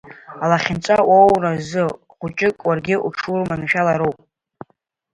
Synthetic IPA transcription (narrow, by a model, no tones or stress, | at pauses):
alaχʲɪnt͡ʃʷʼawowrazɨ | χʷʊt͡ʃʼɪkʼwarɡʲɪʔuʈ͡ʂʰurmanʃᶣalaɾowpʼ